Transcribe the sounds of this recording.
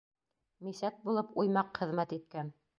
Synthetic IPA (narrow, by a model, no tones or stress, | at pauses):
misæt̪̚bulˠɤpujmɑqχɘ̆ðmæt̪it̪̚kæn